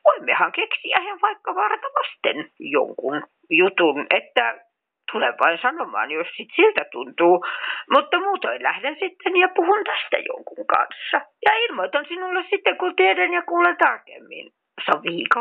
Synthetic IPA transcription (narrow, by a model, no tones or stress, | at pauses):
ʋoimːehɑŋkeksiæheʋʋɑikːɑʋɑrt̪ɑʋɑst̪ḛnjo̰ŋkun | jut̪unʔet̪ːæ | t̪uleʋʋɑinsɑnomɑ̰ːnjossit̪silt̪æt̪unt̪uːmut̪ːɑmuːt̪oilæhdensit̪ːenjɑpuhunt̪æst̪æ̰jo̰ŋkuŋkɑ̰nsːɑjɑilmoit̪ɑnsinulːessit̪ːeŋkut̪iedænjɑkuːlent̪ɑrkḛmːḭn | sɑʋiːkɑ